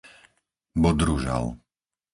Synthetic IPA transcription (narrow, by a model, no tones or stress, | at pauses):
bɔd̪ɾuʒa̰l